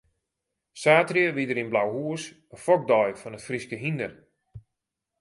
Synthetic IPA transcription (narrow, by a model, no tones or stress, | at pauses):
saːtrjəʋidəɾinblawɦuəs | əfɔk̚dɔjfɔnətfriskəɦindər